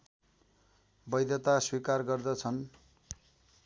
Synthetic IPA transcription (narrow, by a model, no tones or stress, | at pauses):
bʌjd̪ʱʌt̪aswikarɡʌrd̪ʌt͡sʰʌn